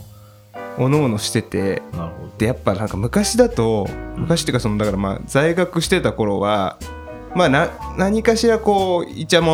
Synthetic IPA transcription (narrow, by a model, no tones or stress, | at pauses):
o̞no̞ːno̞ɕi̥t̪e̞t̪e̞̰t̪ːe̞japːanãŋkamɯ̟kaɕid̪at̪o̞mɯ̟kaɕi̥t̪ekaso̞no̞d̪akaɾama̰ːzaiɡakɯ̟ɕi̥t̪e̞t̪ako̞ɾo̞βa | maːnãnaɲ̟ikaɕiɾako̞ːit͡ɕamo